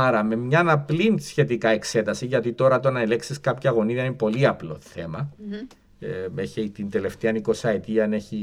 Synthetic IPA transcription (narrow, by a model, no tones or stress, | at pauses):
ɐɾɐme̞mɲɐnɐplinsçe̞t̪ikɐe̞kse̞t̪ɐsiʝɐt̪it̪o̞ɾɐt̪o̞nɐele̞ksiskɐpçɐːɣo̞niðɐinpo̞liɐplo̞θe̞mɐ | eçeit̪ind̪e̞le̞ft̪eɐniko̞sɐet̪iɐne̞çi